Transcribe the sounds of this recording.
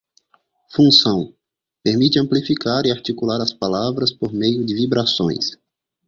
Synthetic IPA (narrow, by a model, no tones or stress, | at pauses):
fũsɐ̃w̃ | peɾmit̪ɪɐ̃mplifikaɾɪaɾt͡ʃ̪ikulaɾɐspalavɾɐspoɾmejʊdɪvibɾasõ̰j̃s